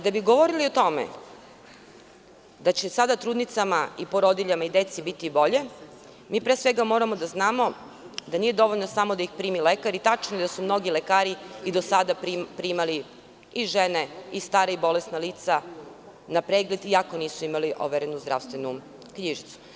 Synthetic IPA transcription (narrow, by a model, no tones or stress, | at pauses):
d̪abiɡoʋoɾiliot̪o̞mḛ | d̪at͡ɕesad̪at̪ɾuːd̪nit̪samaipoɾod̪iʎamaid̪et̪sibit̪ibo̞ʎe̞ | miːpɾesʋe̞ɡamo̞ːɾamo̞d̪aznaːmo̞ | d̪aniːje̞d̪o̞ʋoʎnosamo̞d̪aixpɾiːmilekaɾit̪at͡ʃnod̪asumno̞ɡilekaːɾiid̪osad̪aipɾimali | iʒeneist̪aːɾaibo̞lesnaliːt̪sa | napɾeːɡle̞d̪iako̞niːsuimaliʔo̰ʋeɾenuzd̪ɾa̰ʋst̪ʋe̞nu | kɲiːʒit̪su̥